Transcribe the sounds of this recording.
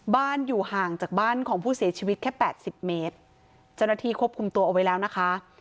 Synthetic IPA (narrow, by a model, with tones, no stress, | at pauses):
baː˥˩njuː˨˩haː˨˩ŋt͡ɕaː˨˩k̚baː˥˩nkʰɔː˩˦ŋpʰuː˥˩si˨˩˦t͡ɕʰiː˧wt̪̚kʰɛː˥˩pɛː˨˩t̪̚si˨˩p̚meː˦˥t̪̚ | t͡ɕa˥˩wna˥t̪ʰiː˥˩kʰu˥əp̚kʰu˧mt̪u˧ɐʔa˨˩wa˦jlɛː˦˥wna˦˥kʰa˦˥